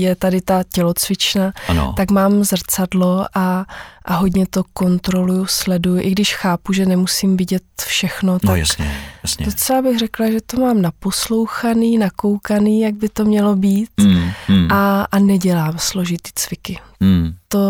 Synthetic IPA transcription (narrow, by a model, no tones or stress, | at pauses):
jɛt̪adɪt̪acɛlo̞t͡svɪt͡ʃnan̰t̪akmaːmzr̩t͡sadlo̞ʔaʔaɦoɟɲɛt̪o̞ko̞nt̪ɾo̞lujuslɛdujʊʔɪɡdɪʃxaːpuʒɛnɛmusiːmvɪɟɛt̪fʃɛxno̞t̪ajsɛ̰sdot͡sɛlabɪɣrɛklaʒɛt̪o̞maːmnapo̞slo̞wxaniːnako̞wkaniːjaɡ̚bɪt̪o̞mɲɛlo̞biːt̪ʔaanɛɟɛlaːmslo̞ʒɪt̪i̥ːt͡svɪkɪt̪o